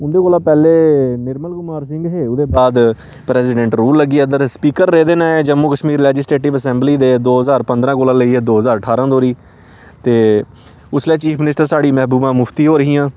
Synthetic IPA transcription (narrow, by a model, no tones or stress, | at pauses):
ʊnd̪eːkoːlãːpɛːleːnɪɾməlkʊmaːɾsɪ̃ŋɡɦeːʊd̪eːbaːd̪ | pɾɛːsɪɖɛ̃ɳʈɾuːllːəɡiːəd̪əɾspiːkəɾːeːd̪eːnaːeːd͡ʒəmːuːkəʃmiːɾlɛːd͡ʒɪsleːʈɪʋəsɛ̃ːmbliːd̪eːd̪oːɦəzaːɾpənd̪ɾãːkoːlãːləiːɛːd̪oːɦəzaːɾəʈʰaːɾãːd̪oːɾiː | t̪eː | ʊslɛːt͡ʃiːpʰmɪnɪsʈəɾsaːɖiːmɛːɦbuːbãːmʊpʰt̪iːɦoːɾəɦĩːãː